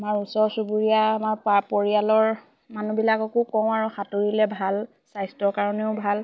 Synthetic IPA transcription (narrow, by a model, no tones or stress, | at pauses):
aamaɹusɔɹsubuɹijaːmaɹpapoɹijalɔɹ | manubilakɔkokɔ̃w̃aɹuxatoɹilɛbʱal | sajstɔɹkaɹɔneʊbʱal